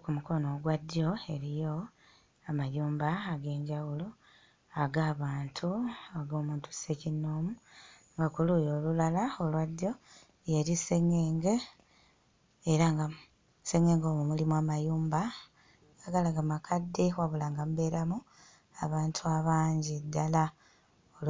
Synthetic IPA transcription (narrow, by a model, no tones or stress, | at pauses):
kumuko̞no̞ɡwadjo̞e̞ɾijo̞ | amajuːmbaaɡe̞ːɲɟaɣulu | aɡaːβaːntʰuaɡo̞ːmuːntu̥secinoːmu | ŋɡakulujo̞ːlulalao̞lwadjo̞ | jeɾise̞ŋeːŋɡe | eɾaŋɡa | se̞ŋe̞ːŋɡo̞ːmumulimwamajuːmba | ɡaɡalaɡamakʰadːewaβulaːŋɡamube̞ɾamu | aβaːntʰuaβaːɲɟidːala | ol